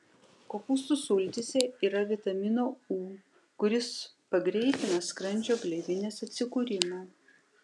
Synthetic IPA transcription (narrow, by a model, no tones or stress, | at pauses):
koːpʊst̪usʊlʲt̪ʲɪsʲɛiːɾɐʋʲɪt̪ɐmʲɪnoːuː | kʊɾʲɪs | pɐɡɾʲɛɪt̪ʲɪnɐskɾɐnʲd͡ʒʲoːɡlʲɛɪʋʲɪnʲeːsɐt̪ʲsʲɪkuːɾʲɪmoː